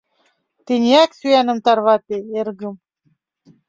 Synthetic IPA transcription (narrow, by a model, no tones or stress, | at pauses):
t̪inʲiæksyænə̆mt̪ɑrβɑt̪eerɣə̆m